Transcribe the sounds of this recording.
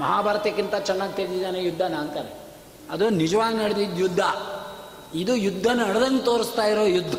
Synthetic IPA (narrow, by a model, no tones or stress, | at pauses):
mɐɦaːbʱaːɾɐt̪ɐkːint̪ɐt͡ʃɛnːaːɡit̪ɐɾid̪id̪aːnejud̪ʱːanaɐnt̪aːɾe | ɐd̪unid͡ʒɐʋaːɡnɐɽed̪id̪jud̪ʱːɐ | id̪ujud̪ʱːɐnɐɽɐd̪ɐnːut̪oːɾist̪aːjiɾoːjud̪ʱːɐ